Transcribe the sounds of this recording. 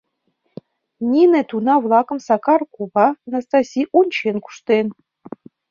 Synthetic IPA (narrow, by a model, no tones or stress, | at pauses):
nʲinĕt̪unɑvlˠɑkə̆msɑkɑrkuβɑnɑst̪ɑsʲijʔunʲt͡ɕenku̥ʃt̪en